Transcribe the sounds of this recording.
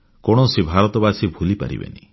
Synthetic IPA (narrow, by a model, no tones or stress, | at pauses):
kɔɽ̃ɔsibʱaɾɔt̪ɔbasibʱulipa̰ɾḭbḛni